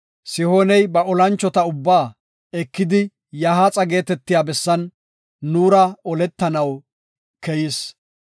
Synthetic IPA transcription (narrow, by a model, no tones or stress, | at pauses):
sɪhoːnɛjbɐʔɔlɐnt͡ʃːɔt̪ɐʊbːaː | ɛkːɪd̪ɪ | jaɦat͡sʼɐɡe̞ːt̪ɛt̪ːɪjaːbɛsːɐnː | uːɾɐɔlɛt̪ːɐnɐw | kɛjɪs